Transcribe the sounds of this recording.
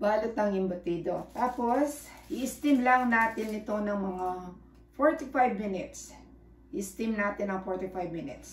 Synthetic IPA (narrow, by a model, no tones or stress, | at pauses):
baːlʊt̪ɐŋɪmbɐt̪iːd̪ot̪aːpo̞sʔɪʔɪst̪ɪmlɐŋnaːt̪ɪnɪt̪o̞nɐŋmɐŋa | foɹt̪ɪfajbmɪnɪt̪s | ʔɪʔɪst̪imnaːt̪ɪnːɐŋfoɹt̪ɪfajbmɪnɪ̰t̪s